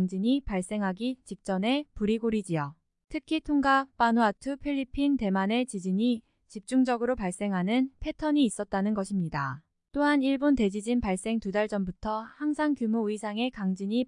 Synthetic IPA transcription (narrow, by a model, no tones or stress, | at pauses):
ŋd͡ʑiɲipaɭs͈e̞ŋɦaɡit͡ɕik̚t͡ɕ͈ʌne̞puɾiɡoɾid͡ʑijʌ | tʰɯkʰitʰoŋɡap͈anoatʰɯpʰiʎːipʰinte̞mane̞t͡ɕid͡ʑiɲi | t͡ɕip̚t͡ɕ͈uŋd͡ʑʌɡɯɾopaɭs͈e̞ŋɦanɯnpʰe̞tʰʌɲiːs͈ʌt̚t͈anɯnɡʌɕʰimɲida | t͈oɦaniɭbonte̞d͡ʑid͡ʑinpaɭs͈e̞ŋtudaɭd͡ʑʌmbutʰʌhaŋsʰaŋkjumoɯisʰaŋe̞kaŋd͡ʑiɲi